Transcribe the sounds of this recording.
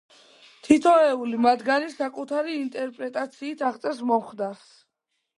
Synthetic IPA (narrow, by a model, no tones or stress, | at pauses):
t̪ʰit̪ʰɔɛulimad̪ɡanisakʼut̪ʰaɾiːnt̪ʼɛɾpʼɾɛt̪ʼat̪sʰiːt̪ʰaʁt̪sʼɛs̬mɔmχd̪aɾs